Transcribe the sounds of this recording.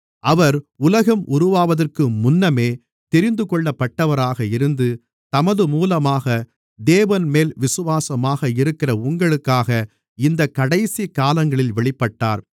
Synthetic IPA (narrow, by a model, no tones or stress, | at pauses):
ʔɐʋɐɾʊlɐɣɐmʔʊɾʊʋaːʋɐðɐrkɯmʊnːɐmeː | t̪ɛɾɪnd̪ɯkɔɭːɐpːɐʈːɐʋɐɾaːɣɐɪɾɯnd̪ɯ | t̪ɐmɐðɯmuːlɐmaːɣɐ | d̪eːʋɐnmeːlʋɪsɯʋaːsɐmaːɣɐɪɾɯkːɪrɐʊŋɡɐɭɯkːaːɣɐ | ɪnd̪ɐkːɐɽɐɪsikaːlɐŋɡɐɭɪlʋɛɭɪpːɐʈːaːɾ